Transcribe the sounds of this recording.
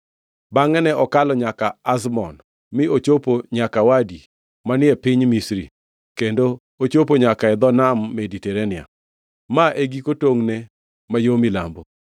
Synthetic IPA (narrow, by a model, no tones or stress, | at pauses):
baŋɛnɛɔkalɔɲakaazmɔn | mɪot͡ʃopoɲakawadi | manɪɛpɪɲmisɾḭ | kendo | ot͡ʃop̬oɲakaɛd̪ɔnamːediteɾenɪa̰ | maʔeɡikotoŋne | majomila̰mbo